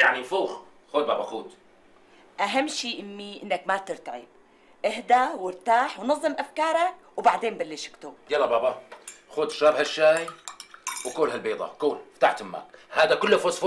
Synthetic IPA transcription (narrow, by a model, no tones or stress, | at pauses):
jaʕnifuːx | xoːd̪baːbaxuːd̪ | ʔaɦamːʃiːʔɪmːiʔɪnːakmat̪ɪɾt̪aʕɪ̰b̚ | ʔɪhd̪awɪɾt̪aːħwnɑzˤːɨmʔafkɑːɾˤɑk̚wbaʕd̪eːnbalːɪʃɪ̥kt̪ujɑlːɑbɑːbɑxuːd̪ʃaːbhaʃːaːji | wɪkoːlhalbiːd̪ˤɑ̰kuːlfat̪aħt̪mːa̰ːkhaːd̪akʊlːfosf